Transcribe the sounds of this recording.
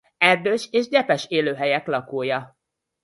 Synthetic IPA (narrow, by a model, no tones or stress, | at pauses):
ɛrd̪øːʃeːʒɟɛpɛʃeːløːɦɛjɛklɒkoːjɒ